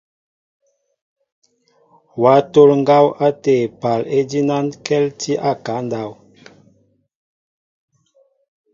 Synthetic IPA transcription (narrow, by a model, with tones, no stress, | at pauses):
wa˨˦to˦lŋɡa˦wa˦te˨pa˨le˦di˦na˦nkɛ˦lti˦ʔa˦ka˨˦nda˨w